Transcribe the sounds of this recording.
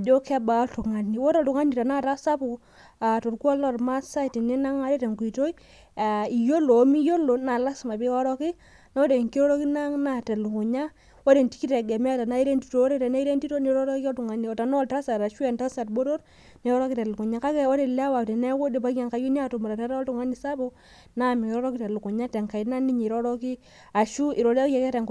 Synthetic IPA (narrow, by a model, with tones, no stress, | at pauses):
a˨d͡ʒo˦ka˦ba˨˦tu˨ŋa˨ni˨wo˦tɔ˨tu˨ŋa˦ni˨ta˨na˦ta˦sa˦pu˨ | a˨to˨rku˦ɔ˦lɔ˦˨rma˦sa˦i˨ti˨ni˦na˦ŋa˨ɾe˦te˨ŋku˨i˨to˦i˦ | a˨i˨jo˦lo˨˦mi˦jo˦lo˨na˨la˦sma˨bi˦kɔ˦ɾɔ˦ki˦ | nɔ˦de˨ŋki˦ɾo˦ɾo˦ki˦na˦ŋna˦tɛ˨lu˨kʊ˨ɲa˦ | wo˦de˨nti̥˦ki˦tɛ˨ɡɛ˨mɛ˦˨ta˨na˦i˦ɾe˦nti˦to˨o˦ɾe˦tɛ˨na˦i˦ɾe˦nti˦to˦ni˨˦ɾɔ˦ɾɔ˦kkɔ˦tu˨ŋa˨˦ni˨ɔ˨ta˨nɔ˦˨ta˦sa˨ɾa˨ʃu˦ɛ˨nta˦sa˨tbo˦ɾo˦r | ni˨˦ɾɔ˦ɾɔ˦ki˦tɛ˨lu˨ku˨ɲa˦ka˦kɛ˦o˦de˨lɛ˦wa˨tɛ˨nɛ˦ko˦de˨pa˦a˨ŋka˨˦ju˦ni˦a˨to˨muɾa˨tɛ˦ɾɔ˦tu˨ŋa˦ni˨sa˦bo˦ | na˦˨mi˨kːɾɔ˦ɾɔ˦ki˦tɛ˨lu˨kʊ˨ɲa˦tɛ˨ŋka˨i˨˦na˦ni˦ɲi˨ɾɔ˦ɾɔ˦ki˦ | a˨ʃu˦i˨ɾo˨˦ɛ˨kɛ˦tɛ˨ŋk